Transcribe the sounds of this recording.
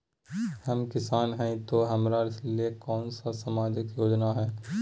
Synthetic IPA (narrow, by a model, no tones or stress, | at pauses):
hɐmkɪsaːnɦɛ̃ĩt̪oɦɐmɾaɪsliekɔːnsasamaːd͡ʒɪkjoːd͡ʒnaɦɛː